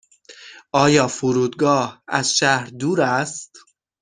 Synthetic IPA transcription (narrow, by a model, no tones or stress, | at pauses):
ʔɒːjɒːfuɾuːd̪ɡɒːhæ̰z̥ʃæhɾd̪uːɾæst̪